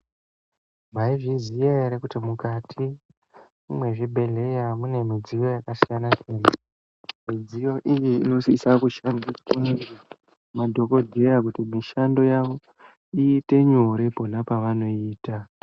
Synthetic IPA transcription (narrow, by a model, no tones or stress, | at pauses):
maiʐizijeeɾekutimukatʰi | umwe̞ʐibʱe̞le̞jamune̞mid͡zijo̞jakasijanat͡ʃena | mid͡zijo̞ʔijiino̞ssakuʃandiskune | madʱo̞ko̞dʱe̞ɾakutimiʃando̞jaʋo̞ | iːte̞ɲoɾe̞po̞napaʋano̞iːta